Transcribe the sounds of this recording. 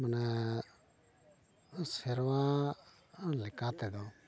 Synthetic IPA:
mənɛ | sɪɾʋã | lɪkaːt̪ed̪o

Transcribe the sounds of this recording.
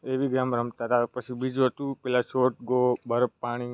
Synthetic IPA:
eʋiɡɾamɾəmt̪aɦt̪apət͡ʃʰibid͡ʒət̪ũpɛlaʃoʈ̚ɡobʱəɾəpːaɽ̃i

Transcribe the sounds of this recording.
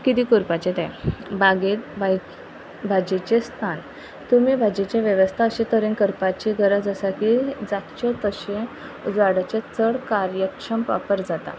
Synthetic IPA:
kit̪ikuɾpat͡ɕẽt̪ã̰baɡet̪ba | bʱad͡ʑet͡ɕest̪ʰan | t̪umibʱad͡ʑet͡ɕẽʋjəʋəst̪ʰaəɕẽt̪əɾẽnkəɾpat͡ɕiɡʱəɾəd͡zəsakid͡zak̪t͡ɕɔt̪əɕẽ | d͡zaɽat͡ɕet͡səɽkaɾjəkʂəmʋa̰pəɾd͡zat̪a̰

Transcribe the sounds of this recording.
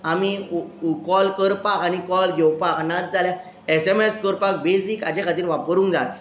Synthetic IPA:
amikɔlkəɾpakañikɔlɡʱewpaknat̪̚d͡zʱalja | ɛsɛmeskəɾpak̚besiːka̰d͡ʑekʰat̪̬iːɾʋapəɾũːŋd͡zat̪

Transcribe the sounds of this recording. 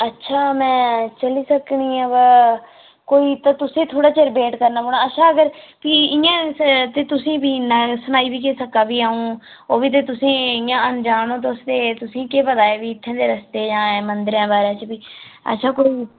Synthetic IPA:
ətːʃʰaːmɛ̃ːt͡ʃəliːsəkɳiːãːbə | koːiːt̪ãːt̪ʊsẽːt̪ʰoːɽaːt͡ʃəɾbeːʈkəɾnaːboːɽãːətːʃʰaːəɡəɾpiːɪjãːt̪eːt̪ʊsĩːbiːnasʊnaːiːbiːkeːsəkaːbiːaːũː | oːʋiːt̪̬eːt̪ʊsĩːɪ̃jãːənd͡ʒaːnõːt̪̬oʊst̪eːt̪ʊsĩːkeːpəd̪aːeːʋiːɪt̪ʰːãːd̪eːɾəst̪eːd͡ʒãːẽːmənd̪əɾjãːbaːɾãːt͡ʃpiːə̰tːʃʰaːkoːiː

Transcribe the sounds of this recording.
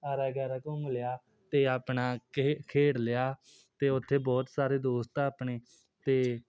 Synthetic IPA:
aːɾɛːɡəɾəkõŋɡlɪjaː | t̪eːaːpɳaːkʰeːɽlɪjaː | t̪eːʊt̪ʰːeːbɔːt̪saːɾeːd̪oːst̪aaːpɳeː | t̪eː

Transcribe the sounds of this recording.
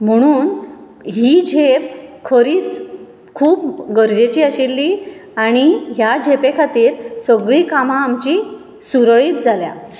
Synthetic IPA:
m̤əɽ̃uːn | ɦid͡ʑʱep̚kʰəɾiːt͡s | kʰuːpɡəɾd͡ʑet͡ɕiːaɕilːiaɽ̃iɦjad͡ʑʱepekʰat̪iːɾsəɡɭiːkamãːmt͡ɕi | suɾɭiːt̪̚d͡zʱalja̰

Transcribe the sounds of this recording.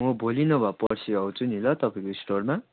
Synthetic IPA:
mʌbʱolinʌbʱapʌrsiʌwt͡sʰunilʌt̪ʌpaĩkoisʈorma

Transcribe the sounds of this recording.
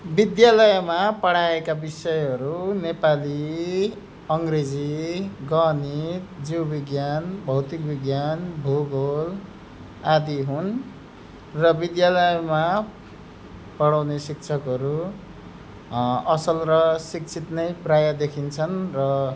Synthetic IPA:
bid̪jalʌjmapʌɽaekabisʌjɦʌɾunepali | ʌŋɡred͡ziɡʌnit̪d͡ziwbiɡjanbʱʌwt̪ik̚biɡjanbʱoɡol | ad̪iɦun | rʌbid̪jalʌjma | pʌɽawnesik̚t͡sʰʌkɦʌɾu | ʌsʌlrʌsik̚t͡sʰit̪nʌjprajʌd̪ekʰint͡sʰʌnrʌ

